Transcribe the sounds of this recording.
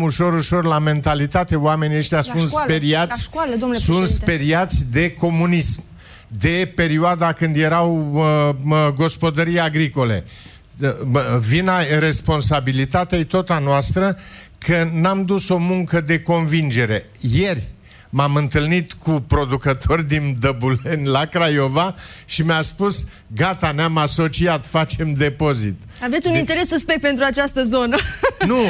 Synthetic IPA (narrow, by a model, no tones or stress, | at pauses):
uʃo̞ɾuʃo̞rlame̞nt̪alit̪at̪e̞owame̞nieʃt̪jasunt̪speɾiat̪sʲsunt̪spe̞ɾiat̪sʲd̪e̞ko̞munism | d̪e̞pe̞ɾioad̪akɨnd̪je̞ɾaw | ɡo̞spo̞d̪əɾijaɡɾiko̞le̞̰ | vinaɾe̞spo̞nsabilit̪at̪eajt̪ot̪anoast̪ɾəkʰənamd̪uso̞muŋkəd̪e̞ko̞nvind͡ʒe̞ɾe̞je̞rʲ | mamɨnt̪ɨlnit̪kupɾo̞d̪ukət̪ʰo̞rʲd̪ind̪əbule̞nʲlakɾajo̞vaʃimeaspus | ɡat̪aneamaso̞t͡ʃiat̪fat͡ʃe̞md̪e̞po̞zḭt̪ | ave̞t̪sʲunint̪eɾesːuspek̚t̪̚pent̪ɾuat͡ʃast̪əzo̞nənu